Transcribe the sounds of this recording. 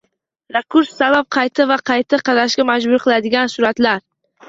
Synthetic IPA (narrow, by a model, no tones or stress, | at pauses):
ɾekʰʊɾsːabap̚qʰɑjt̪ʰɪvaqʰɑjt̪ʰaqʰɑd̪aʃɡʲamad͡ʒbʊɾqʰɨlˠad̪ɪɡʲansʊɾat̪laɾ